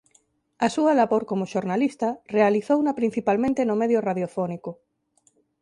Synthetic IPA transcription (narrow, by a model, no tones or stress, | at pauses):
asuɐlaβoɾkomʊʃoɾnalist̪arealiθownapɾin̟θipalmẽnt̪enomeðjoraðjofɔnikʊ